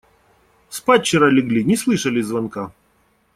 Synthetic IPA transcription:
spat͡ɕɪɾalʲɪɡlʲinʲɪslˠɨʂɐlʲɪzvɐnka

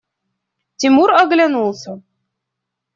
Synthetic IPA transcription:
t̪ʲimuɾɑɡlʲænulˠsɤ

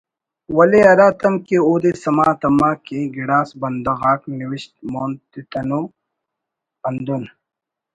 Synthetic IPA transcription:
wɐleɐɾaːt̪ɐmkeoːd̪esɐmaːt̪ɐmaːkeɡiɽaːsbɐnd̪ɐɣaːkniwiʃt̪moːnt̪it̪ɐnoː | ɐnd̪un

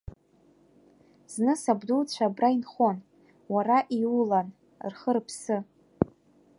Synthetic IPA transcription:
z̥nɨsabdult͡ɕʷʰabrainχo̞n | waraʔiulan | rχərpʰsɨ

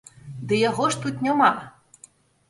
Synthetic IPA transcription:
d̪ɨjaɣɔʂt̪ut̪nʲama

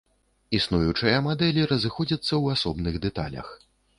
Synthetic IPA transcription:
isnujut͡ʂɨjɐmad̪ɛlʲiɾɐzɨxɔd͡zʲɐt̪sːɐwasɔbnɨɣd̪ɛt̪a̰lʲɐ̰x

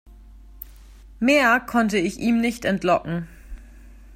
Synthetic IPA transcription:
meːɐkʰɔntəɪçʔiːmnɪçtɛntlɔkŋ̩

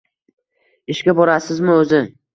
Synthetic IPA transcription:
ɪʃkʲabɒɾasɪzmɪɵzɪ

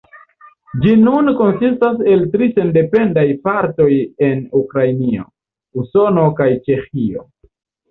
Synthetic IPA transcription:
d͡ʒinunko̞nsistas̬e̞ltɾise̞nde̞pe̞ndajpaɾto̞je̞nukɾajnio̞̰ | uso̞no̞kajt͡ʃe̞xio̞̰

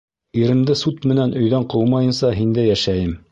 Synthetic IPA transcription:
iɾɘ̆md̪ɘsut̪mɘ̆nænʔɵ̆jðæɴqɤwmɑjɤ̆nsɑɦind̪æjæʃæjɘm

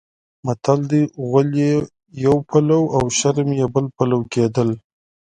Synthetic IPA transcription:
mat̪ʰald̪iɣalje | jawpʰalawawʃaɾmjebəlpalawked̪əl

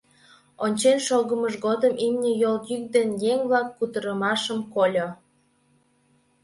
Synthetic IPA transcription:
onʲt͡ɕenʃoɣəməʃɣod̪əmʔimnʲəjoljyk̚d̪enjeŋβlɑkːut̪əɾəmɑʃəmkolʲo

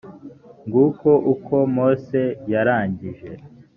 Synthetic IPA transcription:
ŋɡuko̞ʔukʰo̞mo̞ːsejaɾaːɲɟiʒe̞

